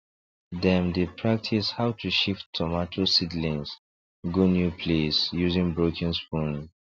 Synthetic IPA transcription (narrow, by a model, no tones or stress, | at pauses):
dɛ̃mdepʰɹak̚tʰishawtʰuʃifttʰːɔmatʰosidlĩns | ɡunjupʰlesjuzĩŋbɹokʰɛ̃nspũn